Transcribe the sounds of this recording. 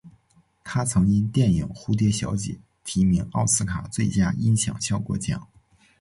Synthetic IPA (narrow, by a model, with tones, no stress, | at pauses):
t̪ʰa˥t͡sʰɤ˧˥ŋt͡ɕi˥nt̪jɛ˥˩nji˨˩ŋxu˥t̪jɛ˥ɕjɑ̰˧˥ʊt͡ɕjɛ̰˨˩˦ | t̪ʰi˧˥mi˧˥ŋɑ˥˩ʊsɹ̩˥kʰa˨˩t͡swe˥˩ɪt͡ɕja˥i˥nɕjɑ̰˨˩ŋɕjɑ˥˩ʊkwɔ̰˥˩t͡ɕjɑ̰˥˩˦ŋ